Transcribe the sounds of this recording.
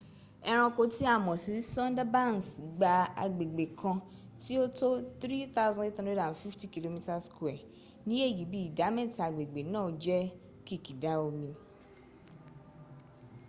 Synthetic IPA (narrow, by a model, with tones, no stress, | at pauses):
ɛ˦ɾ̃ɔ̃˧ko˧ti˦a˦˨mɔ̃˨si˨˦sɔ̃˦n˦da˦ba˦˨n˨sɡ͡ba˧a̰˨ɡ͡be˨ɡ͡be˨kʰɔ̃˧ | ti˦o˦to˦t̪ɾi˦t̪a˦zɔ̃˦e˦t̪ã˦e˦dã˨n˨fi˦fti˦ki˨lo˦mĩ˦ta˦skwɛ˨ | nĩ˦e˦˨ji˨bi˦i˨da˨˦mɛ̃˦ta˨ɡ͡be˨ɡ͡be˨nã˦˨d͡ʒɛ˦ | ki˦ki˨da˨˦o˨mĩ˧